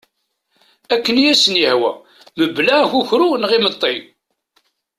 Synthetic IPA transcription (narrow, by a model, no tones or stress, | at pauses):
ækːənjæsənjəhwæ̰ | məbːlæçuçɾunəʁimət̪ˤːi